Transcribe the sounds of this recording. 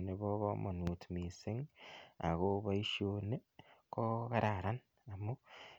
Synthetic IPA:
neβo˦βomo˨nuː˨tmi˨se˦ŋa̰˨ɣo˦βa˦i˦ʃone˦ko˦ɣa˦ɾaɾa˦n | a˨mo˦

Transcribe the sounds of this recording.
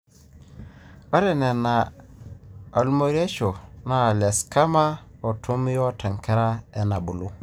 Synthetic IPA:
o˦ɾe˦˨ne˨na˨ | a˨lu˦mo˦ɾi˦e˦ʃo˨na˦˨le˨ska˦ma˦o˨tʰu˦m˦jo˦tʰa˨ŋke˦ɾa˦e˦na˨bu˨lu˦

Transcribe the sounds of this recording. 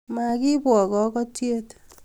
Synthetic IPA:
ma˨ki˦pwɔ˨kɔ˨kɔ˦tje˦t

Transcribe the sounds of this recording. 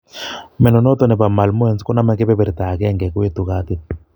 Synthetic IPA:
mɛ˨nɔ˨nɔ˦t̪ɔ˦nɛ˨ba˨ma˨lmo˦ɛ˦˨nskɔ˦na˦mɛ˦kɛ˦bɛ˦bɛ˨ɾt̪a˨kɛ˦ŋɡɛ˨ku˦e˦t̪u˨ka˦t̪ɪ˦˨

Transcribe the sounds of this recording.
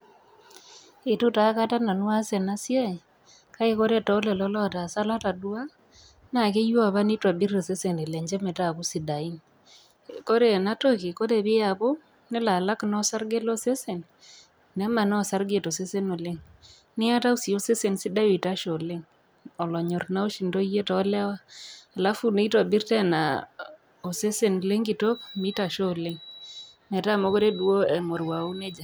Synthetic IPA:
ɪ˨tu˦ta˨˦ka˦ta˦na˨nwa˦se˨na˦sja˦˨ | ka˦i˦ko˦ɾe˦tɔ˨˦le˨lɔ˦lɔ˦˨ta˨sa˦la˦ta˨dwa˦ | na˨ke˦jwa˦˨βa˦ni˦twa˨bi˦ɾe˨se˦se˨ne˨le˨ɲd͡ʒɛ˦me˨ta˦˨ku˦si˨da˨i˦ŋ | ko˦ɾe˦˨na˦to˦ke˨ko˦te˨βɪ˦ja˨bo˦ | nɪ˦la˨la˦knɔ˦sa˦ɾɡe˦lo˦se˦se˨n | nɛ˦ma˨na˦ɔ˨sa˦ɾɡe˨to˨se˦se˦no˨le˦ŋ | nɪ˦a˦ta˦u˦si˨o˦se˦se˨nsi˦da˦wi˨ta˦ʃo˨le˦ŋ | ɔ˨lɔ˨ɲɔ˨rna˦o˦ʃi˨ndo˦je˦tɔ˨˦lɛ˦waː˦˨la˦fu˦ne˦i˦tɔ˨bi˦ɾtɛ˦na˨ | o˨se˦se˨no˨le˦ŋɡi˨to˦kmi˦ta˨ʃo˦˨le˦ŋ | mɛ˨ta˦˨mo˦ko˦ɾe˦du˦o˦ɛ˨mo˨ɾwa˨u˦ne˦d͡ʒa˨

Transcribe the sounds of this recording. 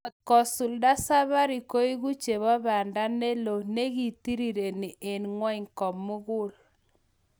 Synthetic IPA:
ɔ˨t̪̚kɔ˨su˨lda˦sa˦βa˦ɾi˨ko˦i˦ɣu˦t͡ʃe˨βɔ˦βa˨nda˦ne˦lo˨ne˦ɣi˨ti˦ɾi˨ɾe˨nɪ˨ʔe˨nŋwɔ˦i˨ŋkɔ˨mːʊ˦ɣʊ˦l

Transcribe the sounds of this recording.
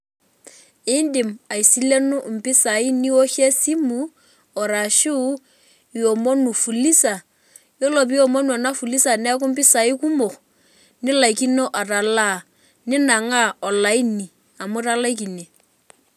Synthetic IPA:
ɪ˦ndɪ˨ma˨i˨si˦le˦nu˦˨m̩˨pɪ˦sa˨i˦ni˦o˦ʃe˦si˦mu˨ | ɔ˨ɾa˨ʃɪ˦ | jo˨mo˦nu˨fu˨li˦sa˨ | jo˦lo˨p̬i˦jɔ˨mo˦n˦ɔ˨na˦fu˨li˦sa˨nɛ˦k̬u˦m̩˦pɪ˦sa˨i˦ku˦mo˨χ | nɪ˦la˨i˨ki˦no˦ʔa˨ra˨la˦˨ | nɪ˦na˨ŋa˦˨ɔ˨la˨˦i˦ni˨ | a˨mʊ˦ɾa˦la˦i˦k̬i˨ne˨

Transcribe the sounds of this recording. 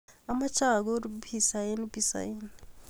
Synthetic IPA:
a˨ma˦t͡ʃa˦˨ɡo˦ɾubi˨sa˨je˦n˦bi˦sa̰˨je˦n

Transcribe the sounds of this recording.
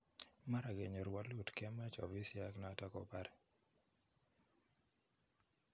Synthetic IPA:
ma˦ɾa˨ɡe˨ɲɔ˨ɾwa˦lʊ˦˨tkɛ˦ma˦t͡ʃɔ̰˨bi˦sɪa˦kna˨˦ta˦kɔ˦pa˦ɾɛ˨

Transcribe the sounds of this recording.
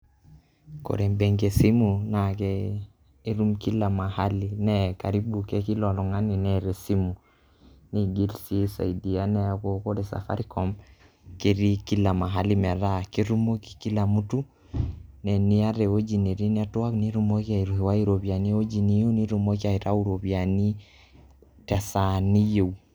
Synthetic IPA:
ko̰˨ɾe˨mbe˨ŋɡe˨si˦mu˨na˨kɛː˦ | ɾu˦mki˦la˨ma˨ha˦li˨nɛ˦ka˨ɾi˦bu˨ke˦ki˦lɔ˨lɔ˨ŋa˦ni˨nɛ˨ɾe˨si˦mu˨ | ni˦ɡi˦lsi˦sa̰˨i˨di˨a˦nɛ˦ko˦ko˦de˨sa̰˨fa̰˦ɾi˦kɔ˨m | ke˨ɾi˦ki˦la˨ma˨ɦa˦li˦mɛ˨ɾa˦ke˦ɾu˦mo˦ki̥˨ki˦la˨mu˦tu˦ | nɛ˨ni˦a˦ɾe˨o˦d͡ʒi˨ne˨ɾi˦n˦a˦twa˦kni˦ɾu˦mo˦kia˨i˨ɾu˨hi˨wa˦i˦ɾo˨bja˨ni˦o˦d͡ʒi˨ni˦je˦ni˦ɾu˦mo˦ki˦a˨i˨ɾa˦u˦ɾo˨βja˨ni˦ | tɛ˨sa˨ni˦je˨w

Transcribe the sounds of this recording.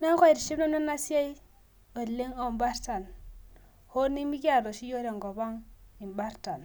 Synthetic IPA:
na˦ŋ˦ko˦i˨ɾi˨ʃi˦bna˦na˦na˦si˦a˦i˦ | wo˨dle˦ŋo˦˨mba˦ɾta˨n | ho˦ni˦mi˦ki˦a˦˨do˨si˦jo˦ɾe˨ŋɡo˨ba˦ŋi˨mba˦ɾta˨n

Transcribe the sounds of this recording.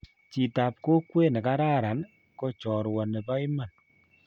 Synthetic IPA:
t͡ʃi˨ta˨p̚ko˦kwe˦ne˨ka˦ɾa˦ɾa˨n | ko˦t͡ʃɔ˨ɾwɔ˨ne˨pa˦i˦ma˨n

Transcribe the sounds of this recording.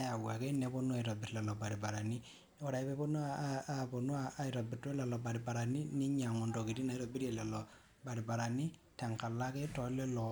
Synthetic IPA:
a˨wa˨kɛ˦nɛ˨˦bɔ˦nu˦a˨i˨ɾɔ˨bɪ˨ɾlɛ˨lɔ˨ba˨ɾi˨ba˨ɾa˨ni˦ | ɔ˨ɾa˨i˦pɛ˦pɔ˦nu˦aapɔ˨nu˦aː˨i˨ɾa˨bɪ˨tɔ˦lɛ˨lɔ˨ba˨ɾi˨ba˨ɾa˨ni˦nɪ˦ɲa˨ŋɔ˨ndɔ˨ki˨ti˦na˨i˦ɾɔ˨bi˦ɾe˨lɛ˨lɔ˨ | ba˨ɾi˨ba˨ɾa˨ni˦tɛ˨ŋka˨la˦kɛ˦tɔ˨lɛ˦lɔ˨

